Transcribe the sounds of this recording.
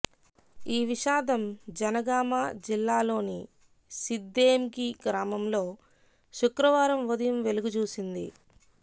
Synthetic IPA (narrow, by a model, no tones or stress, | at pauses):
iːʋiʃaːd̪ɐmd͡ʒɐnɐɡaːmaːd͡ʒilːaːlo̞ːni | sid̪ːeːmkiɡɾaːmɐmlo̞ː | ʃukɾɐʋaːɾɐmʋud̪ɐjɐmʋe̞luɡut͡ʃuːsind̪ḭ